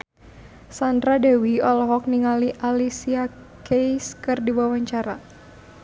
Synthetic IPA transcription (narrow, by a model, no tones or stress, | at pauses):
sand̪ɾadawiɔlɔɦɔk̚niŋaliʔalisia | kejskɨrdiwawaɲt͡ʃaɾa